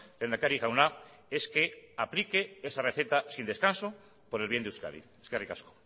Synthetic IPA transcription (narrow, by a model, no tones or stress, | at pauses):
lend̪akaɾiɣawna | e̞ske̞aplikeesareθe̞t̪asind̪e̞skanso | po̞ɾelβjend̪uska̰ðḭeskarikasko̥